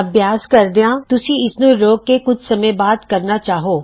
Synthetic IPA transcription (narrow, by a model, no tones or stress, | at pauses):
ɐbjaːskɐɾd̪eãt̪ʊsĩɪsnũɾoːɡ̚kekʊt͡ʃʰsɐmə̃baːd̪kɐɾnat͡ʃaːɦoː